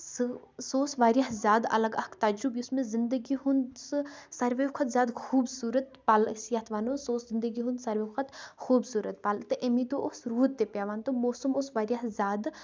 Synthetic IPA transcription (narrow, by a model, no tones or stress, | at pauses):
s | soːsʋaːɾjaɦzʲjaːd̪ɐ̰lɐɡɐkt̪aːd͡ʒɾubiʊsmẽzɪnd̪əɡiɦunsɨsɐɾʋeʋkʰɐt̪zʲjaːd̪xuːbsuːɾət̪paːlsjaːt̪ʰʋaːnosoːszɪnd̪əɡiɦũnd̪sɐɾʋekʰət̪xuːbsuːɾət̪paːlt̪ɨʔemĩt̪oʔosɾuːt̪ːepjaːʋaːnt̪omoːsumosʋaːɾjaɦzʲaːd̪